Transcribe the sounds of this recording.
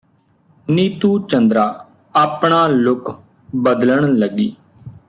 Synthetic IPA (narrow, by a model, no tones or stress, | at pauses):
niːt̪uːt͡ʃənd̪ɾaː | aːpɳaːlʊk | bəd̪ləɳləɡiː